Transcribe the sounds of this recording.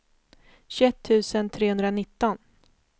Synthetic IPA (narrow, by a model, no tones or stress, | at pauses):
ɕʉɛt̪ʰːʉ̟ːsənt̪ʰɾeːhɵnd̪ɾanɪt̪ːɔn